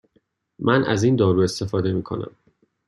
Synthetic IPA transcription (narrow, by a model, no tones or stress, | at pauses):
mʔænʔæ̰ziːnd̪ɒːɾue̞st̪e̞fɒːd̪e̞miːkʰo̞̰næ̰m